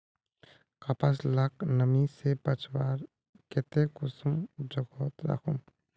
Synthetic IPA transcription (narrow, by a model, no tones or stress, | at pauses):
kapaslɐknəmisepət͡ʃwaːɾ | ket̪ekʊsumd͡ʒəɡɔːt̪ɾa̰kʰum